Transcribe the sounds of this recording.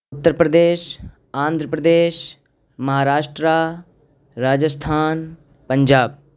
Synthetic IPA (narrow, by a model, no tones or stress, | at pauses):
ʊt̪ːəɾpɾəd̪eːʃ | ãːnd̪ʱɾəpɾəd̪eːʃ | mɐɦaːɾaːʃʈɾa | ɾaːd͡ʒəst̪ʰaːn | pɐ̃ɲd͡ʒaːb̚